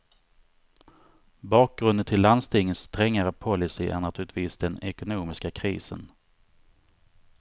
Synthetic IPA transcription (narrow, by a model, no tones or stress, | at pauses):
bɑːk̚ɡɾɵnd̪ənt̪ʰɪlːand̪st̪ɪŋːəst̪ɾɛŋːaɾəpʰɔlɪsɪʔæ̰ɾɳat̪ʰʉːɾɪt̪viːsd̪ɛnɛkʊnuːmɪskakʰɾḭːsə̰n